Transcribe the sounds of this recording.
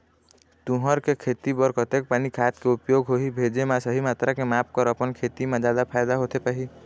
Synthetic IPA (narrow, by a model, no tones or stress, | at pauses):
t̪ũɦəɾkekʰeːt̪ibɔɾkət̪eːk̚paːnikʰaːt̪keʊpjoɡɦoɦibʱed͡ʒemãsəɦimaːt̪ɾakemaːp̚kəɾəpənkʰet̪imẽd͡ʒaːd̪apʰaːjd̪aɦot̪epaɦi